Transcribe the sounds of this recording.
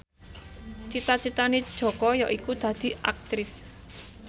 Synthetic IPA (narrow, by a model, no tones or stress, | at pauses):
t͡ʃit̪at͡ʃit̪aned̥ʒ̥ɔ̤kɔjɔʔikud̪̥ä̤d̪̥i̤ʔa̰k̚t̪ɾɪs